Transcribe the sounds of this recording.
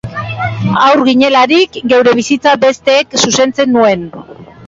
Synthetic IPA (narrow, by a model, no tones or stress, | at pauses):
awɾɣiɲe̞laɾikɡe̞wɾe̞β̞isit͡sabe̞st̪e̞ːksuse̞nt͡senːue̞n